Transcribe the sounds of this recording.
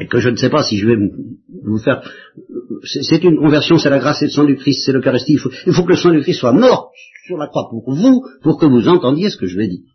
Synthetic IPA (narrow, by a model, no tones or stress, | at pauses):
ekəʒənsɛpasiʒəvɛm | vufɛʁ | sɛsɛt̪ynkɔ̃vɛʁsjɔ̃sɛlaɡʁased̪əsɛ̃d̪ykχist̪sɛləkaʁist̪iifoilfokələsɑ̃d̪ykχist̪ːswamɔʁt̪syʁlakχwapuʁvupuʁkəvuzɑ̃t̪ɑ̃d̪jesə̥kəʒəvɛd̪i